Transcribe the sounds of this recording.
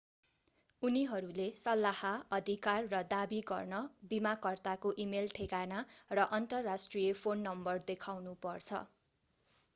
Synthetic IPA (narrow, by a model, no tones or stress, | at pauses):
uniɦʌɾulesʌlːahaʌd̪ʱikarːʌd̪abiɡʌ̰rnʌbimakʌrt̪akoʔimelʈʰeɡanarʌʔʌnt̪ʌrːasʈrijepʰonːʌmbʌrd̪ekʰawnupʌrt͡sʰʌ̰